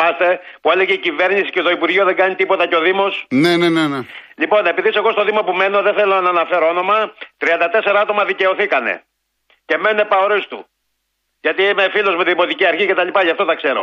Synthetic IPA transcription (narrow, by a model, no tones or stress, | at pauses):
ɐst̪e̞ | pueleɣeicive̞ɾnisi̥cet̪o̞ipuɾʝioðe̞ŋɡɐnit̪ipo̞t̪ɐceo̞ðimo̞snenenenelipo̞ne̞piðise̞ɣo̞st̪o̞ðimopume̞no̞ðeθe̞lonɐnɐfe̞ɾoono̞mɐt̪ɾiɐnd̪ɐt̪e̞se̞ɾɐɐt̪o̞mɐðice̞o̞θikɐne̞̰ | ce̞mene̞pɐoɾist̪ṵ | ʝɐt̪iimefilo̞zmet̪iðimo̞t̪iciɐɾçice̞t̪ɐlipɐʝɐft̪o̞tɐkse̞ɾo̞̰